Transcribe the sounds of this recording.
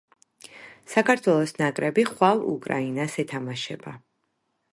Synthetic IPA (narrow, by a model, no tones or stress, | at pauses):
sakʰaɾt̪ʰwɛlˠɔsnakʼɾɛbiχwavṵkʼɾa̰inasɛt̪ʰamaʃɛba